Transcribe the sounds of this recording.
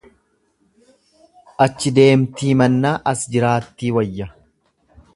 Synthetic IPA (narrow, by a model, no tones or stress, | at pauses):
ʔɐt͡ʃːɪd̪e̞ːmt̪iːmɐnːaːʔɐsd͡ʒɪɾaːt̪ːiːwɐjːɐ